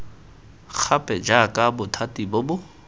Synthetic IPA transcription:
k͡xʰapʼɛd͡ʒakʼabʊtʰatʼibʊbʊ

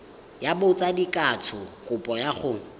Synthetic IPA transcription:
jabʊt͡sʼadikʼatʰʊkʼʊpʼɔjaχʊ

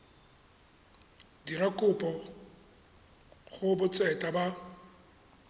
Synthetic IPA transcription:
dirakʼʊpʼɔ | ɣʊbʊt͡sʼɛtʼaba

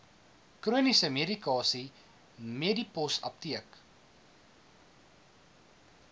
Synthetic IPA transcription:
kruənisəmeɾikɑːsi | medipɔsɐ̰p̚tiək

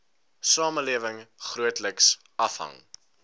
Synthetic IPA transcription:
sɑːməliəvəŋχruətləks | ɐfɦɐ̰ŋ

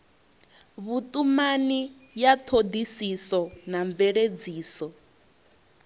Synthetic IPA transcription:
βutʼumani | jatʰod̪isisɔnaɱvɛɺed͡ziːsɔ

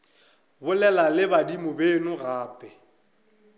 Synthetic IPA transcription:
bʊlɛlalɪbadimʊbenʊɣaːpʼɛ

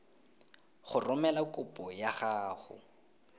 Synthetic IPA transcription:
χʊrʊmɛlakʼʊpʼɔjaχaːχʊ̰

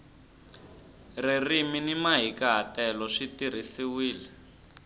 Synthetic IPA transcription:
ririminimaɦikaɦatɛlɔʂitir̤isiwiːlɛ

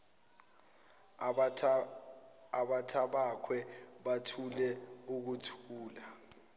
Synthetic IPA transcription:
aɓatʰaɓakʰwɛɓatʰulɛuk̬utʰuːla

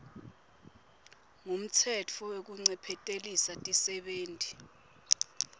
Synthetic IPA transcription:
ŋum̩tʰɛt͡fʰɔwek̬uŋ͡ǀɛpʰɛtʼelisatʼisɛɓeːntʼi

